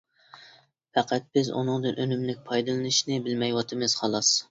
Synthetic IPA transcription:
fɛqʰæt̪̚bɪzṵnɨŋd̪ɨnʔønymlɪk̚ʲpʰɑjd̪ɨlˠɨnɨʃnɪbɪlmɛjwɑt̪ʰɨmɪz̥χɑlˠɑs

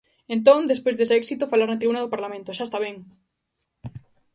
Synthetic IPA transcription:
ẽnt̪̬õŋd̪espojzðesɛksit̪ofalaɾnat̪ɾiβunaðopaɾlamẽnt̪oʃaest̪aβɛŋ

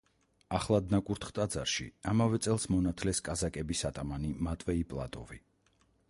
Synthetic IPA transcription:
aχlˠad̪̚nakʼuɾt̪ʰχt̪ʼad̪zaɾʃḭamavɛt̪sʼɛlˠsmɔnat̪ʰlɛskʼazakʼɛbisat̪ʼamanimat̪ʼwɛipʼlˠa̰t̪ʼɔ̰vi

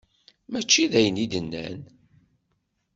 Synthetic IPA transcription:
mæt͡ʃːiðæjənid̪ənːæ̰n

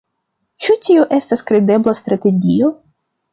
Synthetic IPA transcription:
t͡ʃut̪ʲioʔest̪askɾed̪eblˠast̪ɾat̪e̞ɡʲijo

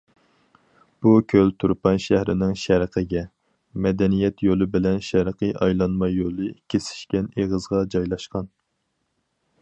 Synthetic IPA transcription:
b̥ukʲʰølt̪ʰuɾpʰɑnʃæhɾɪnɪŋʃæɾqʰəɡʲɛ | mɛd̪ɛnijɛt̪ʰjolˠɨbɪlɛnʃæɾqʰəʔɑ̰jlˠɑnmɑjːolˠɨkʲʰesɪ̥ʃkʲɛneʁəzʁɑd͡ʒɑjlˠɑʃqɑn

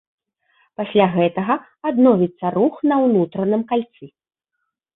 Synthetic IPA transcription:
pasʲlʲaɣɛt̪ɐɣɐ | ad̪nɔvʲit̪sːɐɾuxnɐwnut̪ɾɐnɨmkalʲt̪sɨ

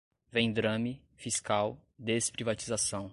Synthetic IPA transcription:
vẽj̃d̪ɾɐ̃mɪ | fiskawd̪espɾivat͡ʃizasɐ̃w̃

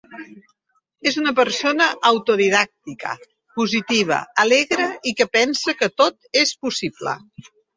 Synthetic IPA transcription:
ezunəpəɾsonəʔːwt̪uðiðak̚t̪ikə̰ | puzit̪iβ̞ə̰əleɣɾəikəpɛnsəkət̪ot̪espusiblə̰

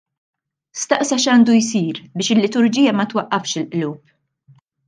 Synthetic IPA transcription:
st̪ɐʔsɐʃɐːnd̪ujsiːɾbɪːʃɪlːɪt̪ʊɾd͡ʒiːjɐmɐt̪wɐʔːɐfʃɪlʔluːp̚

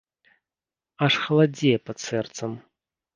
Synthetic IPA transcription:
aʂxɐlˠad͡zʲɛjpɐt̪sɛrt̪sɐm

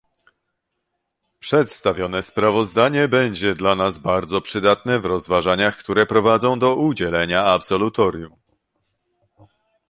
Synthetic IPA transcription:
pʂɛt̪st̪avʲjɔnɛspɾavɔzd̪aɲɛbɛɲd͡ʑɛd̪lanazbaɾd̪zɔpʂɘd̪at̪nɛvɾɔzvaʐaɲaxkt̪uɾɛpɾɔvad̪zɔ̃w̃d̪ɔʔud͡ʑɛlɛɲaapsɔlut̪ɔɾjum

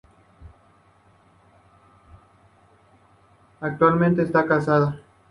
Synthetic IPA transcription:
ak̚t̪walmẽnt̪̬eːst̪akasaða

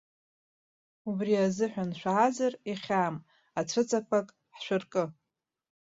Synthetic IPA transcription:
ubriazɨħʷᶣanʃʷᶣazariχʲam | aʈ͡ʂʷʰɨt͡sʼakʷʰakʼ | ħʃʷᶣɨrkʼɨ

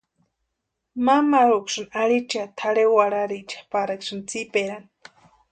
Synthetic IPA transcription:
mamaɾukʃɨnaɾit͡ʃat̪ʰaɾewaɾaɾit͡ʃḁpaɾaksɨnt͡sipeɾan

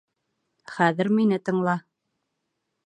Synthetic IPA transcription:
χæðɘ̆ɾminɘt̪ɤ̆ɴlˠɑ

